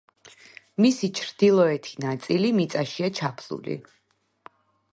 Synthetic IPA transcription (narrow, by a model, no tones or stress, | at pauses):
misit͡ʃʰɾd̪̥ilˠɔɛt̪ʰi̥nat̪sʼilimit̪sʼaʃiat͡ʃʰapʰlṵlḭ